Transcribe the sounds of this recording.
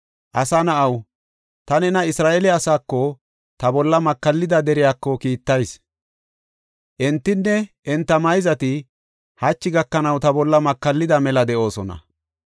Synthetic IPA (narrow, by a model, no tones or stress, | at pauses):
ʔɐsɐnɐʔɐw | t̪ɐnɛnɐɪsɾaːʔelɛɐsaːkːɔ | t̪ɐbɔlːɐmɐkːɐlːɪd̪ɐd̪ɛɾɪjaːkːɔkiːt̪ːɐjs | ʔɛnt̪ːɪnːɛʔɛnt̪ːɐmɐjzɐt̪ɪ | hɐt͡ʃːɪɡɐkːɐnɐwt̪ɐbɔlːɐmɐkːɐlːɪd̪ɐmɛlɐd̪ɛʔo̞ːsɔnɐ̰